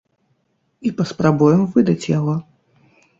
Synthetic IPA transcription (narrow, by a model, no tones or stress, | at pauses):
ipɐspɾabujɛmvɨd̪ɐt͡sʲjaɣɔ